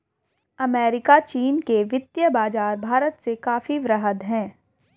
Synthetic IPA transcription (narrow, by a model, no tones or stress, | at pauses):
ɐmɛːɾɪkat͡ʃiːnkeʋɪt̪jəbaːd͡ʒaːɾbʱaːɾət̪sekaːfiʋɾəɦəd̪ɦɛ̃ː